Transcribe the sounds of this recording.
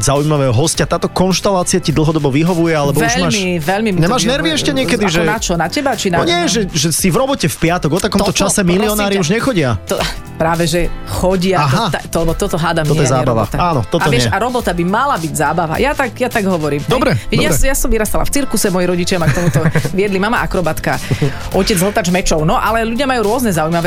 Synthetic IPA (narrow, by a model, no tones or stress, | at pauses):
zaujimaʋɛːɦɔɦɔscat̪aːt̪ɔkɔnʃt̪alaːt͡siacid̪l̩ˠɦɔd̪ɔbɔʋiɦɔʋujɛalɛbɔuɛʎmamiʋɛʎmimɲɛmaːʒnɛɾʋiɛʃcɛɲɪɛkɛd̪iʒɛat͡ʃɔnacɛbat͡ʃinaɔɲɪɛɛʒɛʒɛsivɾɔbɔcɛfpɪat̪ɔɡɔt̪akɔmt̪ɔt͡ʃasɛmiliɔnaːɾiuʒɲɛxɔɟɪat̪ɔ | pɾaːʋɛʒɛxɔɟɪaɦat̪at̪ɔlɛbɔt̪ɔt̪ɔɦaːd̪amɛɔjɛɛzaɾbaʋa̰t̪aaːnɔt̪ɔtaɪɛɛʃaɾɔbɔt̪abimalabiɟzaːbaʋa̰jat̪aɡjat̪aɡɦɔʋɔɾiːmd̪ɔbɾɛɛjasjasɔmʋiɾast̪ala̰ft͡siɾkusɛmɔjiɾɔɟit͡ʃɪamakt̪ɔmut̪ɔʋijɛd̪limamaʔakɾɔbat̪ka̰ʔɔcɛd͡zɦɔt̪ad͡ʒmɛt͡ʃɔʊnɔʔalɛʎuɟɪamajuːɾʊɔznɛzaujmaʋɛ